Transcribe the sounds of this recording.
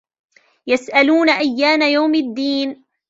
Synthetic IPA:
jasʔaluːnaʔajːaːmajawmad̪ːiːn

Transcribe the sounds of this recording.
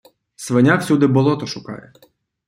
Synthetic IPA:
sʋenʲaksʲud̪ɪbɔlˠɔt̪ɔʃʊkɑ̰jɛ

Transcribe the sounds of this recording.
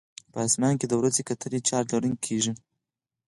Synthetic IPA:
pəːsmɑŋked̪əwɾazekat̪əlit͡ʃɑɾlaɾunkʰeʒi

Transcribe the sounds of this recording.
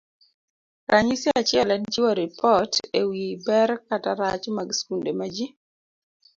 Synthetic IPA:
ɾʔaɲisiat͡ʃɪɛlɛnt͡ʃiwɔɾipʰɔtewibɛɾkataɾa̰t͡ʃmaɡskundemad͡ʒi

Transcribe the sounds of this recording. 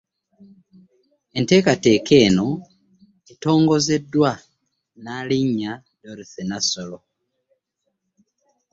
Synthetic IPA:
ente̞ːkate̞ːke̞ːno̞ | eto̞ːŋɡo̞ze̞dːwa | naːliɲa | doɾiθenasolo

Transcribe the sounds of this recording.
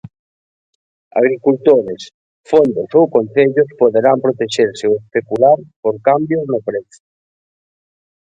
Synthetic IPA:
a̰ɣ̞ɾikult̪oɾes | fond̪osowkon̟θeʎospoðeɾampɾot̪eʃeɾseoespekulaɾpoɾkambjoznopɾeθo̥

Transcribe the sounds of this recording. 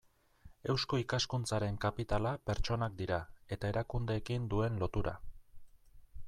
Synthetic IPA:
e̞wsko̞ikaskunt͡saɾe̞ŋkapit̪alape̞ɾt͡ʃo̞nak̚d̪iɾae̞t̪ae̞ɾakund̪e̞ːkind̪ue̞nlo̞t̪uɾa̰

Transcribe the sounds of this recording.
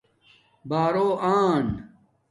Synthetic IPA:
baːɾoːʔaːn

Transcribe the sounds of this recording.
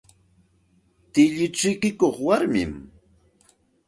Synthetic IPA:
t̪ɪʎɪt͡ʃɪkɪkoχwaɾmɪ̰m

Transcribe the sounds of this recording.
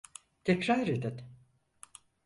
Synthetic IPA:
t̪ʰɛcɾaɾed̪ɪn

